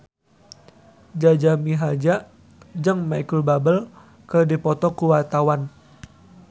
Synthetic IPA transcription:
d͡ʒad͡ʒamiɦad͡ʒa | d͡ʒəŋmajkəlbabəl | kərdipɔt̪ɔkuwart̪awan

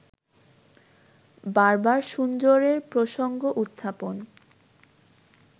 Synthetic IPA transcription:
baɾbaɾʃund͡ʑoɾeɾpɾoʃoŋɡoʔut̪ʰːapon

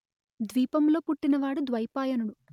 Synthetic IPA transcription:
d̪ʋiːpɐmlo̞ːpuʈːinɐʋaːɽud̪ʋɐjpaːjɐnuɽu

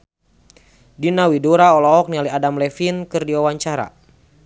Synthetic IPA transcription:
dinawidɔɾaɔlɔɔk̚nialiadamlɛfinkɨrdiwawaɲt͡ʃaɾa̰

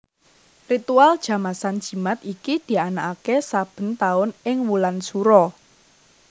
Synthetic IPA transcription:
rit̪uald̥ʒ̥ä̤masand̥ʒ̥i̤mat̪ikid̪̥i̤anaʔakesab̥ə̤nt̪aʊnɪŋmulansuɾɔ

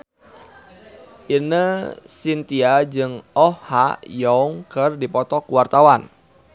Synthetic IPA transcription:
ʔinəsint̪iad͡ʒɨŋɔhha̰jɔŋkɨrdipɔt̪ɔkuwart̪awan

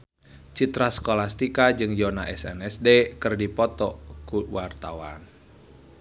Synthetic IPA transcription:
t͡ʃit̪ɾasə̥kolast̪ikad͡ʒɨŋjɔna̰ʔɛsɛ̰nɛsdekɨrdipɔt̪ɔkuwart̪awan

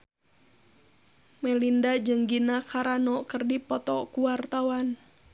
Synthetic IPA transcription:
mɛlindad͡ʒɨŋɡinakʰaɾanɔkərdipɔt̪ɔkuwart̪awan

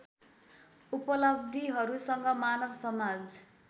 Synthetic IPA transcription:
upʌlʌbd̪iɦʌɾusʌŋɡʌmanʌbsʌmad͡z

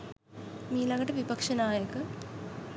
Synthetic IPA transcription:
miːlɐŋɡɐʈɐʋipɐkʂɐnaːjəkə

